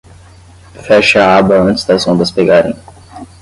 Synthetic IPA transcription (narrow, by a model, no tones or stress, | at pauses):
fɛʃɐaabwɐɐ̃t͡ʃɪ̥zd̪ɐzõd̪ɐspeɡaɾḛ̃j̃